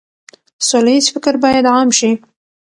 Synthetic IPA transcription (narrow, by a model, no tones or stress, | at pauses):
solajizfɪkɪɾbɑjad̪ʕɑmʃi